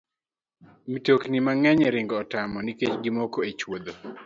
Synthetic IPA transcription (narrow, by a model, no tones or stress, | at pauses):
mitoknimaŋɛɲɛɾɪŋɡɔːtamɔniket͡ʃɡimɔkoet͡ʃwod̪o